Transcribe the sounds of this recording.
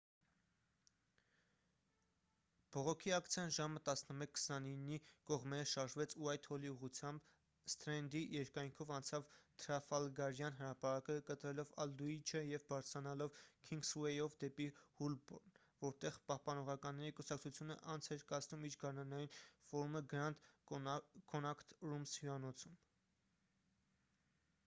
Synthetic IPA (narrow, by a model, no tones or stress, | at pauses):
b̥ɔʁɔkʰiɑkt͡sʰjɑnʒɑmət̪ɑsnəmɛkʰːə̥sɑninːikɔʁmɛɾəʃɑɾʒvɛt͡sʰuɑjt̪ʰhɔliuʁut͡sʰjɑmb | st̪ɾɛnd̪ijɛɾkɑjŋkʰɔvɑnt͡sʰɑvt̪ʰɾɑfɑlɡɑɾjɑnɦəɾɑpɑɾɑkəkət̪ɾɛlɔvɑ̰ld̪uit͡ʃʰəjɛvbɑɾt͡sʰɾɑnɑlɔvkʰiŋɡswɛjɔvd̪ɛpihulbɔ̰n | vɔɾt̪ɛʁpɑhpɑnɔʁɑkɑnːɛɾikusɑk̚t͡sʰut͡sʰjunə̰ʔɑnt͡sʰhɛɾkɑt͡snumiɾɡɑɾnɑnɑjinfɔɾuməɡəɾɑnt̪ | kɔnɑkʰt̪rumshuɑnɔt͡sʰum